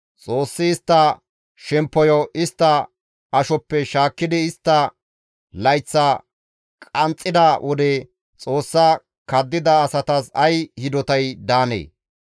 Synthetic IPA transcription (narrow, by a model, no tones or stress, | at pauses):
t͡sʼo̞ːsːɪːst̪ːɐ | ʃɛmpːɔjɔʔɪst̪ːɐ | ɐʃɔpːɛʃaːkːɪd̪ɪɪst̪ːɐ | lɐjt͡sːɐ | kʼɐnt͡sʼːɪd̪ɐwʔɔd̪eː | t͡sʼo̞ːsːa | kɐd̪ːɪd̪ɐːsɐt̪ɐsɐjhɪd̪ɔt̪ɐjd̪aːnḛː